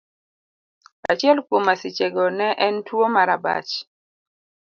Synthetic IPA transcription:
a̰t͡ʃɪɛlkwomasɪt͡ʃeɡɔnɛʔɛntwomaɾaba̰t͡ʃ

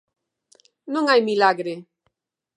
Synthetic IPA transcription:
nõŋajmilaɣɾe

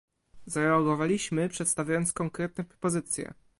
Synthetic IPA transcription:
zaɾɛaɡɔvalʲiɕmɘpʂɛt̪st̪avʲajɔnt̪skɔŋkɾɛt̪̚nɛpɾɔ̥pɔzɘt̪sʲjɛ̰

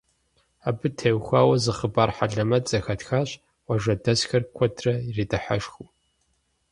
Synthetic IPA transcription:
aːbɨtʰewxʷaːwɐzɨχəbaːrħaɮɐmɐt͡sʼɐxɐtxaːɕ | wɐʒɐdɐzxɐrkʷʰɔtʰrɐiriːtʼɨħa̰ʂxu

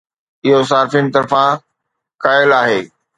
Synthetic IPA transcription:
ɪɦos̬aːɾfinɪ̆t̪ɐɾfã | kaːɪlaːɦeː

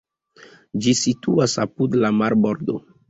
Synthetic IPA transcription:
d͡ʒisituasapudlamaɾboɾdo̰

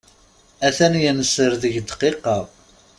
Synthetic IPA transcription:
æθænjənəsəɾðəʝd̪qiqːɑ

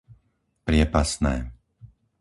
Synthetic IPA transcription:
pɾɪɛpasnɛː

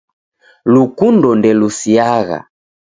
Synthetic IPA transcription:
lukundɔndɛlusiaɣa̰

